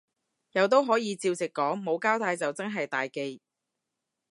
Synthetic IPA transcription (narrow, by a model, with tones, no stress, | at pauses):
jɐ˨˧wt̪̬o˥wɦɔː˨˥jiː˨˧t͡siː˧wt͡sɪ˨kːɔː˨˥ŋmo˨˧wkaː˥wt̪ʰaː˧jt͡sɐ˨wt͡sɐ˥nɦɐ˨jt̪aː˨jke˧j